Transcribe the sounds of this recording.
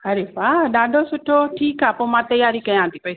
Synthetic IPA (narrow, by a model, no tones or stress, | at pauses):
ɦɐɾeːbaːɗaːɖʱoːsʊʈʰoːʈʰiːkaːpoːmãːt̪ɐjaːɾikɐjãːnd̪iːkoː